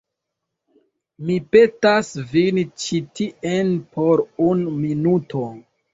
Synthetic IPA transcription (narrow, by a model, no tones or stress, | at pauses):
mipe̞tasvint͡ʃitiʔenpʰoɾunminuto